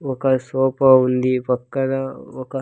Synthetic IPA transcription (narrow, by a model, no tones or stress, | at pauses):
okɐsoːpɐund̪ipɐkːɐnɐokɐ